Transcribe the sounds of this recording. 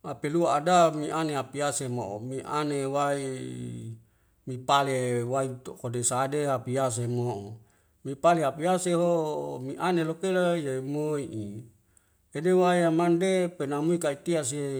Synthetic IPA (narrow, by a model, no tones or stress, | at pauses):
apeluaːdamiʔaneɦapiasemoomiʔa̰newai | mipalewait̪okodesadeɦapias̬emoo | mipaleɦapiaseɦomiʔanelokelajamoiʔi | edewaiamandepenamuikait̪ias̬e